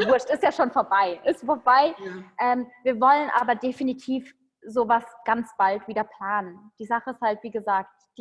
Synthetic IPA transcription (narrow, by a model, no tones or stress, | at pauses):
vʊɐʃtɪstjaːʃoːnfoːɐbaɪʔɪstfoːɐbaɪʔɛːmviːɐvɔlənʔaːbɐdefinitʰiːf | zoːvasɡ̥ant͡sb̥altv̥iːdɐpl̥aːnənd̥iːzaχəɪsthaltv̥iːɡəzaːkt | d̥i